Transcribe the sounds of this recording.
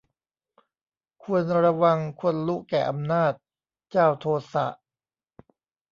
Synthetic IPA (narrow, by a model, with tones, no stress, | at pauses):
kʰu˧ənɾa˧wa˧ŋkʰo˧nlu˦˥kɛː˨˩ʔa˧mnaː˥˩t̪̚ | t͡ɕaː˥˩wt̪ʰoː˧sa̰˨˩ʔ